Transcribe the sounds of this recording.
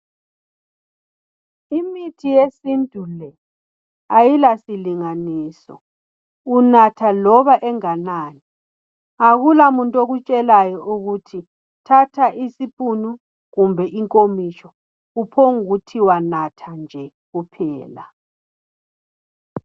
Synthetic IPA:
imitʰijesindʱʼulɛ | ajilasiliŋaniːsɔ̰ | unatʰalɔβaʔɛŋanaːni | aɣulamuntʼoɣut͡ʃʼɛlajɔʔuɣutʰi | tʰatʰaʔisipʼunu | ɣumbʱɛʔiŋkʼomit͡ʃɔ | upʰoŋuɣutʰiwanatʰand͡ʒʱɛ | ɣupʰɛ̰ːla

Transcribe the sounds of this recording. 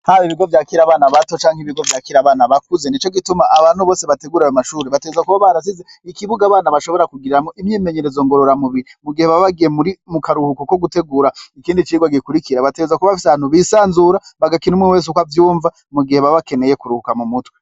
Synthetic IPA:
haβiβiɡo̞vjaːkiɾaβaːnaβato̞t͡ʃaːŋheiβiɡo̞vjaːkiɾaβaːnaβakuzenit͡ʃo̞ɡitumaʔaβaːn̥huβoːse̞βateɡuːɾajomaʃuːɾeβateɡezakuβaβaɾas̬ize | ikiβuɡaːβaːnaβaʃo̞βo̞ɾakuɡiɾiɾamŋoʔimɲiːmeɲe̞ɾezo̞ŋɡo̞ɾo̞ɾamuβiɾimuɡiheβaβaɡijemuɾimukaɾuhukoko̞ɡute̞ɡuːɾaikiːndit͡ʃiːɡwaɡikuɾikiɾaβateɡezakuβaβafi̥saβaːn̥huβisaːnzuːɾaβaɡakinumŋiweːs̬ukwavjuːɱva | muɡihe̞βaβake̞ne̞jekuɾuhukamumutwe

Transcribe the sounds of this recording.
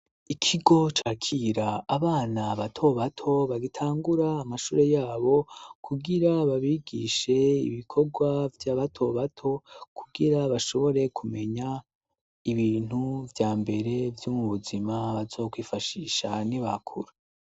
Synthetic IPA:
ikʰiɡo̞t͡ʃaːkʰiɾaaβaːnaβatʰo̞βatʰo̞βaɡitʰaːŋɡuɾaːmaʃuːɾe̞jaːβo̞kʰuɡiɾaβaβiɡiʃe̞ḭβikʰo̞ɡwavjaβatʰo̞βatʰo̞kʰuɡiɾaβaʃo̞βo̞ɾe̞kʰume̞ɲa | iβiːn̥huvjaːmbe̞ɾe̞vjumuβuzimaβazo̞ːkwiːfaʃiːʃa̰niβa̰kʰuɾa

